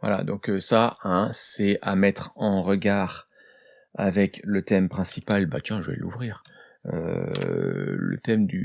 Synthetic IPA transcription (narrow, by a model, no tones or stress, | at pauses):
vwa̰la̰d̪ɔ̃køsaɛ̃sɛamɛt̪χɑ̃ʁəɡaːʁ | a̰vɛklət̪ɛmpχɛ̃sipalbat̪jɛ̃ʒəvɛ̰luvʁiːʁ | ø̰ | lə̰t̪ɛmd̪y